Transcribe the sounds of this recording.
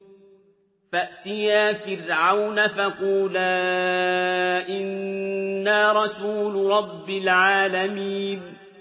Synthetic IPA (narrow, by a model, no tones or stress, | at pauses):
faʔt̪ɪjaːfɪɾʕawnafaquːlaː | ʔɪnː | aːɾˤɑsuːlɾˤɑbːɪlʕaːlamiːn